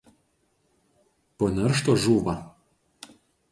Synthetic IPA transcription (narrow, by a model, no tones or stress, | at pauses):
poːnʲɛɾʃt̪oːʒuːʋɐ